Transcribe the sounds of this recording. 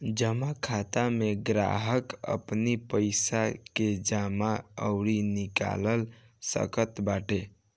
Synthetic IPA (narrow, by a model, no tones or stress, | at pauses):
d͡ʒəmakʰat̪ameɡɾa̰ɦəkə̰pnipəɪsaked͡ʒamaəʊɾinika̰ləl | sə̰kət̪baʈe